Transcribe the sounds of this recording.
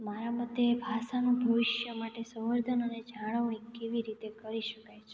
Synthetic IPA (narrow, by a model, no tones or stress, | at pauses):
maɾaməd̪jebʱaʃanũbʱəʋɪʃjəmaʈesə̃ʋəɾd̪ʱənəned͡ʒaɽ̃əʋɳikeʋiɾit̪ekəɾiʃəkajt͡ʃʰe